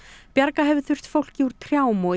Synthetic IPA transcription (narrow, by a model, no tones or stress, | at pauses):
pjaɾkaɦɛvʏθʏr̥t̪fowl̥ciuɾ̥t̪ʰɾjaːwmɔ